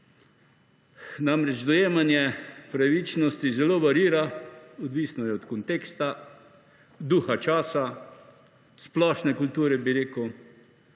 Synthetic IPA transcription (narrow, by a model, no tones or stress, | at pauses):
namɾɛd͡ʒd̪ɔjeːmanjɛpɾaʋit͡ʃnɔst̪izɛloːʋaɾiːɾaɔd̪ʋiːsnɔjɛɔt̪kɔnt̪eːkst̪a | d̪uːxat͡ʃaːsa | splɔʃnɛkult̪uːɾɛbiɾeːkəw